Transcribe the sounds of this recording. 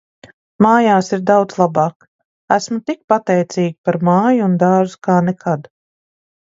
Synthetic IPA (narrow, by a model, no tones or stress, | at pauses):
maːjaːsiɾd̪awd̪zlˠabɑːk | æsmut̪ik̚pat̪ɛjt̪siːɡʲipaɾmaːjuund̪aːzu̥kaːnɛkʰad̪